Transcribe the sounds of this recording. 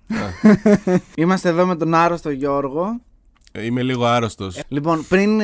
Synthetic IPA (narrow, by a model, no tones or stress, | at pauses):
imɐst̪eðo̞me̞t̪o̞nɐɾost̪o̞ʝo̞ɾɣo̞ | imeliɣoɐɾost̪oslipo̞npɾin